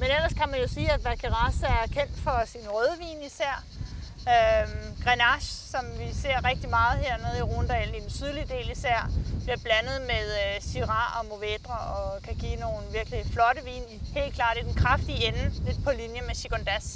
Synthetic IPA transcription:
menel̰ɐskʰæmænjo̝siːæd̥ʋækʰeʁɑsæɐɐkʰen̰d̥fɒ̽sinʁøːð̞ˠəʋḭːnisæɐ̰ | øɡ̥ʁɛnɑɕsɒ̽mʋise̝ɐ̰ʁɛɡ̥̚d̥imɑ̈ːð̞̩ˠɦeɐ̰ne̝ð̩ˠiʁuːnd̥ɛl̩i̥nsyð̞ˠlid̥e̝̰ːlisæɐ̰b̥liɐb̥lænəð̩ˠmeðˠsiʁɑ̈ɒ̽mo̝ʋed̥ʁɐʔɒ̽kʰæɡ̥iːno̝ːn̩ʋiɐɡ̥əliflɒ̽ɾəʋḭːnihe̝̰ːlkʰlɑ̰̈ːd̥ed̥enkʰʁafd̥ienn̩led̥̚pʰɒ̽linjəmeɕiɡ̥ond̥æs

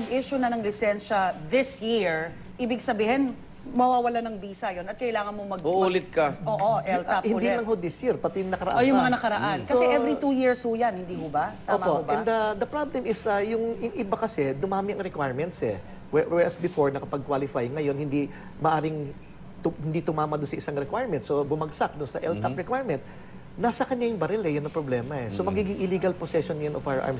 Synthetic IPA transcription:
ɐɡiʃʊnɐnɐŋlɪsɛnʃɐðɪsjiɹ | ʔiːbɪɡsɐbiːhɪn | mɐwaːwɐlanɐŋbiːsɐjonɐt̪kɐʔɪlaːŋɐnmomɐɡuʔlɪt̪̚kɐʔoːʔoʔɛlt̪aphɪnoliɐlɐŋhod̪ɪsjiɾpɐt̪ɛjʊŋnɐkɐɾɐʔaojʊŋmɐŋanɐkɐɾɐʔanskɐsɛʔɛvɾit̪ujiɹshʊjanhɪnd̪iːhʊbɐt̪aoːmooʔbɛnd̪ɐd̪ɐpɾablɛmɪsɐjʊŋɪŋɪbakɐsɛd̪ʊmaːmɪʔɐŋɾɛkwajɹmɛnt̪sɛ | wɛwɛɹɐsbɪfo̞ɹnɐkɐpɐɡ̚kwalɪfajŋɐjo̞nhɪnd̪i | mɐʔaːɾɪŋ | ʊhɪnd̪it̪ʊmaːmɐd̪ʊnsɐʔɪsaŋɾɛkwajɹmɛnt̪̚so̞bʊmɐɡsak̚d̪ʊnsɐʔɛlt̪apɹɛkwajɹmɛnt̪̚ | naːsɐkɐɲjajʊŋbɐɾɛlɛjʊnːɐpɾoblɛːmɐɛsomɐɡiːɡɪŋʔɪliːɡɐlposɛʃonɐjɐnofawɐɹʔa̰ɹm

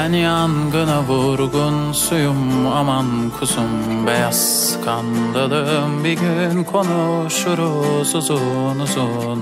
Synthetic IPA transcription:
ɛnianɡɯnaboɾɡun | sujumamankʰusum | bɛjas | kʰand̪ad̪ɯmbiɡʲynkʰonuʃuɾusɯzunɯsu | n

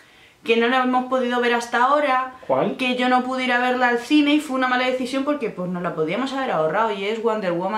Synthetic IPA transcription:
ke̞no̞laeβemo̞spo̞ðiðo̞β̞e̞ɾast̪ao̞ɾakwalke̞ʝo̞no̞puðiɾaβ̞e̞ɾlaːlθine̞ifweunamalaðe̞θisjo̞mpo̞ɾke̞pwe̞zno̞zlapo̞ðiamo̞saβ̞e̞ɾaoraoie̞zɣwand̪e̞ɾɣwoma

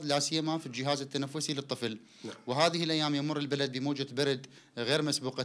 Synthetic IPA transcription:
lasɪjːamafild͡ʒɪɦaːzɪt̪ːanafːʊsilɨt̪ˤːɨfl | wɪɦaːðɪhɪlʔajːaːmjamʊrˤːɪlbalad̪̚bɪmoːd͡ʒabalad̪ | ɣeːɾmasbuːqa

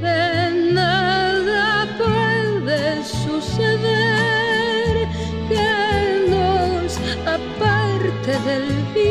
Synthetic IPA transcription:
enaðapwɛðe | suseðe | ɾ | kenos | apaɾt̪eðelfi

